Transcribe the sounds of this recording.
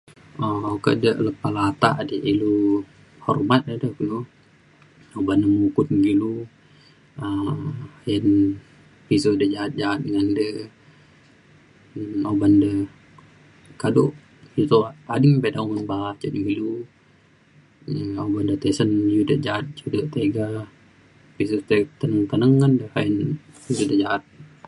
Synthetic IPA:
ookə̰dəʔləpalat̪aʔdəʔilu | hɔ̰rmat̪̚dədəkilu | obandəmukʊt̪̚ɡilu | ə | jən | pisodəd͡ʒaːt̪̚d͡ʒaat̪̚dəŋandə | obandə | kadoʔ | ut̪oadɪŋpedauŋənbat͡ʃəʔdiŋilu | əobandət̪esənjudəhd͡ʒaːt̪̚t͡ʃudəht̪eɡa | pisot̪et̪ənəŋt̪ənəŋːandəhajən | pisodəd͡ʒaat̪̚

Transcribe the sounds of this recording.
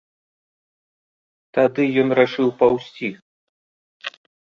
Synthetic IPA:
t̪ad̪ɨjɔnraʂɨwpɐwsʲt͡sʲi

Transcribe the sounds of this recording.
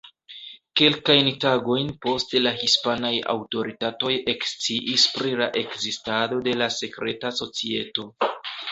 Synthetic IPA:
ke̞lkajntaɡo̞jnpo̞stlahispanaja̰wto̞ɾitato̞jekst͡siʔispɾilaʔe̞kzistado̞de̞lase̞kɾe̞taso̞t͡sie̞to̞

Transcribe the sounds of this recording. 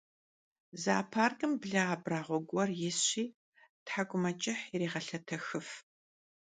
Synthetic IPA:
za̰ːpʰaːrɡʼɨmbɮɐaːbraːʁʷɔɡʷʼɔrjɪsɕʷiː | tħaɡʷʼʊmɐt͡ʃʼɪħireːʁɐɬɐtʰɐxɨf

